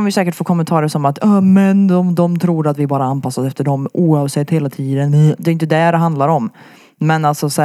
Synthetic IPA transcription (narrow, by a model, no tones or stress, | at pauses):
anvɪsɛːkəʈfoːkʰɔmɛnt̪ʰɑːɾəʂɔmat̪ːɑmɛnd̪ɔmd̪ɔmt̪ʰɾuːɾat̪vɪæɾbɑːɾaanpʰasːad̪ɛft̪əɖɔmʔuːɑvsɛt̪ːheːlat̪ʰiːd̪ənd̪ɛɾɪnt̪̬əd̪ɛɖɛɦand̪laɾɔm | mɛnalt̪sɔsɛ